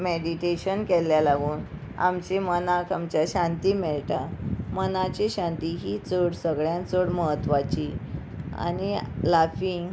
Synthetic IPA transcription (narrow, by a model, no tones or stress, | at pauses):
meɽiʈeɕənkɛlːjalaɡuːn | a̰mt͡ɕemənakʰamt͡ɕjaɕãnt̪imɛɭʈ̪amənat͡ɕeɕãnt̪iɦit͡səɽsəɡɭjãnt͡səɽməɦət̪ːʋat͡ɕi | a̰nilafiŋɡ